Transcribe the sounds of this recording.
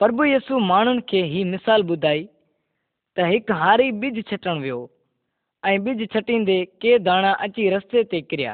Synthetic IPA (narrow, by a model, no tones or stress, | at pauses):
pəɾbujiːsuːmaːɳ̤ʊnɪ̆kʰeːɦiːmɪsaːlɓʊd̪ʱaːiː | t̪əɦɪkɦaːɾiːɓɪd͡ʒʱt͡ʃʰəʈəɽ̃ʋɪjoː | ɛ̃ːɓɪd͡ʒʱt͡ʃʰəʈĩːnd̪eːkeːd̪ʱaːɽ̃ãːʔət͡ʃiːɾəst̪eːt̪eːkɪɾɪja̰ː